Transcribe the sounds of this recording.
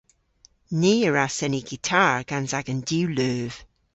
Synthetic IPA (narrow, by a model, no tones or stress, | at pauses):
neːəɹasɛniɡitʰaɹɡ̥anzaɡəndʉːløːv̥